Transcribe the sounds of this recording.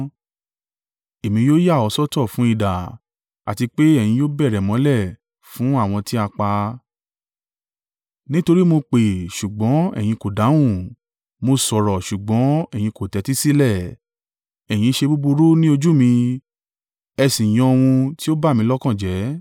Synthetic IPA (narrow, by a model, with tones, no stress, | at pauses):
e˨mĩ˧jo˦ja˦˨ɔ˨˧˦sɔ˦tɔ˦˨fũ˨˦i˦˨da˨ | a̰˨ti˧k͡pe˦ɛ˦˨j̃ĩ˧jo˦bɛ˦˨ɾɛ˨mɔ̃˨˦lɛ˦˨ | fũ˨˦a˦˨w̃ɔ̃˧ti˦a˧k͡pa˧ | nĩ˦to˧ɾi˦mo˧k͡pe˨ʃu˨ɡ͡bɔ̃˨˦ɛ̰˨j̃ĩ˧ko˨da˨˦wũ˦˨ | mo˧sɔ˨ɾɔ˨ʃu˨ɡ͡bɔ̃˨˦ɛ˦˨j̃ĩ˧ko˨tɛ˨˧˦ti˦si˦lɛ˦˨ | ɛ˨j̃ĩ˧ʃe˧bu˦bu˧ɾu˦nĩ˦o˧d͡ʒu˦mĩ˧ | ɛ˧sĩ˨j̃ɔ̃˧o˧w̃ũ˧ti˦o˦ba˦˨mĩ˧˦lɔ˦kã˦˨d͡ʒɛ˨˦